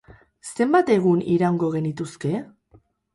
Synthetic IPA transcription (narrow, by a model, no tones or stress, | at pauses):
se̞mbat̪e̞ɣ̞uniɾawŋɡo̞ɣ̞e̞nit̪uske̞